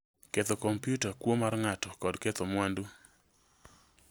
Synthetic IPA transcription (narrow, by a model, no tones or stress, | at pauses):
ket̪okompjutakwomarŋatɔkɔdket̪omwandu